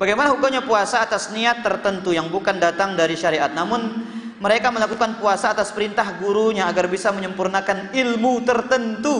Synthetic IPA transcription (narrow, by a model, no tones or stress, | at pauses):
baɡajmanaɦukaɲapuasaːt̪asniat̪ːərt̪ənt̪ujaŋbukandat̪aŋdaɾiʃaɾiʔat̪̚namʊn | məɾekaməlakukanpuasaːt̪aspəɾint̪ahɡuɾuɲaːɡarbisaməɲəmpurnakanilmut̪ərt̪ənt̪u